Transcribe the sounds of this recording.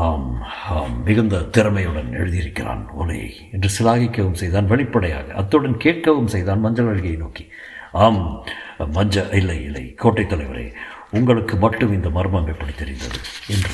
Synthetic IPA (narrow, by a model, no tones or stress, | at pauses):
aːmaːmːɪɣɐnd̪ɐt̪ɪɾɐmɐjɯɽɐnɛ̰ɻɯðijɪɾɯkːɪra̰ːnɔ̰lɐ̰jɐ̰ | ɛndrɯsɪlaːɣɪkːɐʋɯmsɛjðaːnʋɐɭɪpːɐɽɐja̰ːɣɐʔɐt̪ːɯɽɐnkeːʈ̚kɐʋɯmsɛjðaːnmɐɲd͡ʒɐlɐɻɣɐjɐnoːki̥ | aːmː | ɐɲd͡ʒɐɪlːɐɪɪlːɐ̰ɪkoːʈːɐɪt̪ːɐlɐɪʋɐɾḛː | ʊŋɡɐɭɯkːɯmɐʈːɯmɪnd̪ɐmɐɾɯmɐŋɡɐɪpːɐɽɪt̪ːɪɾɪnd̪ɐ̰ðɯ̰ɛndrɯ